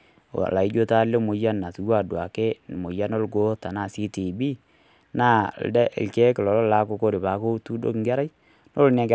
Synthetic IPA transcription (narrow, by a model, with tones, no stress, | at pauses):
la˨i˦d͡ʒo˦ta˦lːe˦mo˨ja˦nːa˨su˨wa˦˨dwa˨ke˦˨mo˨ja˦no˦lɡo˦ta˨na˨si˦ti˨bi˦ | na˦˨ldɛ˦ʔlkɛ˦kɪ˨lɔ˨lɔ˦la˦ko˨˦ko˦ɾɪ˨ba˨ko˦tu˦do̰˦kŋɡa˦ɾa˦j | no˦lna˨ɡ